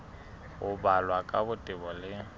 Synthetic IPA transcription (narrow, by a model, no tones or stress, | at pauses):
ɣʊbalwakʼabʊtʼɪbɔlɪ